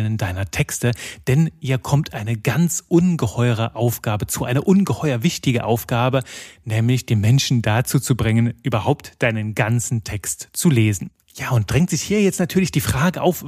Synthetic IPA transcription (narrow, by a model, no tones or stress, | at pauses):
nəndaɪnɐtʰɛkstəd̥ɛnʔiːɐkʰɔmtʰʔaɪnəɡant͡sʔʊnɡəhɔʏʁ̞əʔaʊfɡ̥aːbət͡suːʔaɪnəʔʊnɡəhɔʏɐvɪçtɪɡəʔa̰ʊfɡ̥aːbənɛːmlɪçd̥eːmmɛnʃn̩dat͡suːt͡subʁɪŋənʔyːbɐhaʊptd̥aɪnənɡant͡sn̩tʰɛkstt͡suleːzn̩ | jaːʊnt̚d̥ʁɛŋktz̥ɪçhiːɐjɛt͡stnatʰyːɐlɪçd̥iːfʁ̥aːɡəʔa̰ʊf